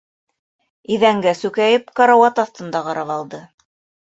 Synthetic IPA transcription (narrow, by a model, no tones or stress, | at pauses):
iðæŋɡæsʉkæjɘpkɑɾawɑt̪ɑθt̪ɤ̆nd̪ɑʁɑɾɑβɑlˠd̪ɤ